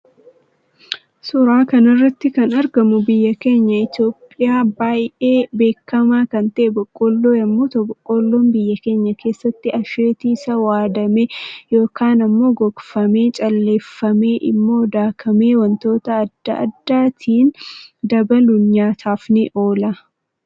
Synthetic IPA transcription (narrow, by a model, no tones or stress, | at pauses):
sʊɾaːkɐnɐrːɐt̪ːɪkɐnɐɾɡɐmʊbɪjːɐke̞ːɲːɐɪt̪jo̞ːpʼːɪjaːbaːjʔeːbe̞ːkːɐmaːkɐnt̪ɐʔɛbɔkʼːoːlːoːjɐmːoːt̪ɔbɔkʼːoːlːoːmbɪjːɐke̞ːɲːɐkʰe̞ːsːɐt̪ːɪɐʃe̞ːt̪iːsɐwaːd̪ɐmejo̞ːkaːnɐmːo̞ːɡɔɡfɐmeːt͡ʃʼɐlːeːfːɐmeːʔɪ̰mːoːd̪aːkʰɐmeːwɐnt̪o̞ːt̪ɐːd̪̥ːɐ̰ʔɐ̰d̪ːaːt̪ʰiːnd̪ɐbɐlʊnɲaːt̪ʰaːfnɪʔo̞ːlɐ